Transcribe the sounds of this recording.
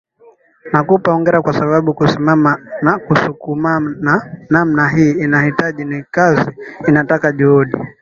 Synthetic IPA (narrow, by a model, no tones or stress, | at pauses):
nakupaɔŋɡɛɾakwasaɓaɓukusimamanakusukumananamnaɦiːinahitaʄinikaziːnatakaʄuhuɗḭ